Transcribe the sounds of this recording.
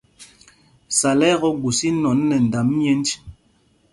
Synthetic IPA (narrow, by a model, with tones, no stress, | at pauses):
sa˨lɛ˦ɣɔ˦ɡu˨si˦nɔ˨˦nː˦ɛ˨n̩˨da˨m˦jɛ˦n˦d͡ʒ